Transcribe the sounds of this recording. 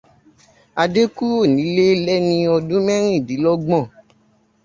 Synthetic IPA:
a˧de˦ku˦o˦˨nĩ˨˦le˦lɛ˦nĩ˧ɔ˧dũ˦mɛ̃˦ɾ̃ĩ˦˨di˨˦lɔ˦ɡ͡bɔ̃˦˨

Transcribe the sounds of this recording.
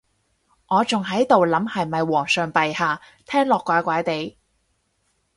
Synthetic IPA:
ŋɔː˨˧t͡sʊ˨ŋɦɐ˨˥jt̪o˨wlɐ˨˥mhɐ˨jmɐ˨jwɔː˨˩ŋsœː˨ŋpɐ˨jhaː˨ | t̪ʰɛː˥ŋlɔː˨kʷːaː˨˥kʷaː˨˥jt̪e˨˧j

